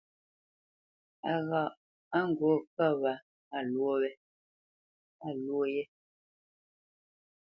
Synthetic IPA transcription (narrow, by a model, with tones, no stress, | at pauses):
a˨ɣa˨ʔ | a˦ŋ˨ɡwo˨˦ka˦˨βa˨ | a˦˨lwo˦wɛ˦ | a˨lwo˦jɛ˦